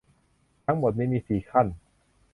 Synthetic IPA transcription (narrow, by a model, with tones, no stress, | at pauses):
t̪ʰa˦˥ŋmo˨˩t̪̚mi˥˧miː˧siː˨˩kʰa˥˩n